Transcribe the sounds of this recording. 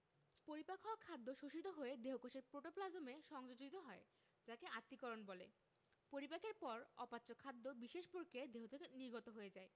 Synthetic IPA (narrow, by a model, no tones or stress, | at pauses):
poɾipakʰoakʰad̪ːoʃoʃit̪̬oɦoed̪eɦokoʃeɾpɾoʈoplad͡ʑomeʃɔŋd͡ʑod͡ʑoit̪oɦɔe | d͡ʑakeat̪ːikɔɾonbolḛ | poɾipakeɾpɔɾɔpatːɕokʰad̪ːobiʃeʃpoɾkʰed̪eɦot̪ʰekeniɾɡʱot̪oɦoed͡ʑae